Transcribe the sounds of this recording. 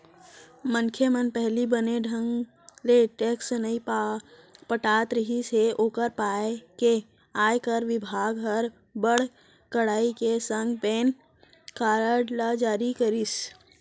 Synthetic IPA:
mənkʰemənpɛɦlibəneɖʱə̃ŋɡ | leʈeksnəĩ | pəʈaːt̪ɾəɦiseoːkəɾpaːeke | aːjkəɾʋɪbʱaːɡɦəɾ | bəɽ̤ | kəɽaːikesə̃ŋɡpeːn | kaɾəɖlad͡ʒaːɾikəɾis

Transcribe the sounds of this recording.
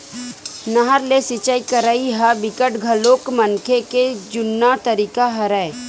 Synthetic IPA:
nɐɦəɾlesɪt͡ʃaikəɾaiɦabɪkəʈɡʱɐloːkmɐnkʰeked͡ʒʊnːat̪ɐɾiːkaɦɐɾɛː

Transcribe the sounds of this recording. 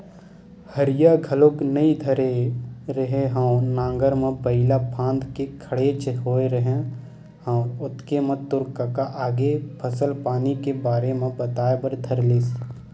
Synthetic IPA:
həɾɪjaɡʱəloknəĩd̪ʱəɾeɾəɦẽɦãːnãːŋɡəɾmẽpəɦɪlapʰãːnd̪kekʰəɽet͡ʃɦoːeɾəɦẽ | ɦãːʊt̪kemə̃t̪ʊɾkakaʔaːɡepʰəsəlpaːnikebaːɾemẽbət̪aːebəɾd̪ʱəɾleːs

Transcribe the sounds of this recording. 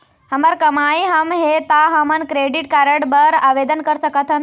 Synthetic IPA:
həmaɾkəmaiɦəmɦet̪aɦəmənkɾeɖiʈ̚kaɾəʈbəɾaʋed̪ənkəɾsəkət̪ʰɦən

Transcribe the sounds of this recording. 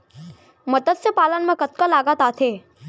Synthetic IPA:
məd̪ət̪sjəpalənmãkət̪̚kəlaɡat̪at̪ʰe

